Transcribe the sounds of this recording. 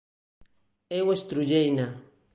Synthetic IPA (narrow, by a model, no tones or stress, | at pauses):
ewest̪ɾud͡ʒejna